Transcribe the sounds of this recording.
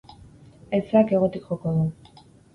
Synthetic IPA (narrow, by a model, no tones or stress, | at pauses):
et͡sake̞ɣ̞ot̪ikχokoðu